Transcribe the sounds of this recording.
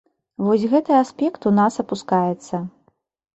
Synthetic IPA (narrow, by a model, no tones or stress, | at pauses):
vɔsʲɣɛt̪ɨaspʲɛkt̪unasɐpuskajɛt̪sːɐ